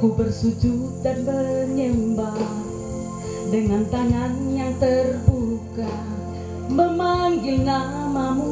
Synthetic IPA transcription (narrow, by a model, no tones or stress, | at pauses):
kupərsud͡ʒut̪̚danbərɲəmba | dəŋant̪aŋanjaŋt̪ərbuka | məmaŋilna | mamu